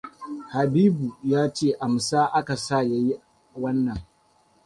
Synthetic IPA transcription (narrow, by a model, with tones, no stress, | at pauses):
ha˨biː˦bu˨jaː˦t͡ʃeː˦˨ʔa˨msaː˦ʔa˦ka˨sa˦˨ja˦ji˦ | wɐ˦nːɐ˨ŋ